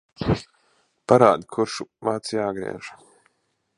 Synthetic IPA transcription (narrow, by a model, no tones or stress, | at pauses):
paɾaːd̪ʲikʰuɾʃuvaːt̪sjaːɡɾḭɛʒ̥a